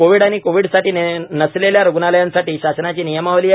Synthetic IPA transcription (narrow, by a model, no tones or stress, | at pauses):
koʋiːɽañikoʋiɽsaʈiːnəsleljaɾuɡnaləjãnsaʈiːɕasnat͡ɕiːnijəmaʋliː